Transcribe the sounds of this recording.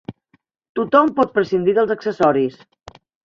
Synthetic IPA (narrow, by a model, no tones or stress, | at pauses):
t̪ut̪ɔmpɔt̪̚pɾəsind̪iðəlˠzəksəsɔɾis